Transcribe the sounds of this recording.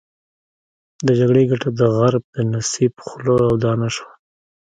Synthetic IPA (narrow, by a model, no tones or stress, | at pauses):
d̪əd͡ʒaɡɽeɡaʈad̪əɣaɾb̚d̪ənasibxloawd̪ɑnaʃwa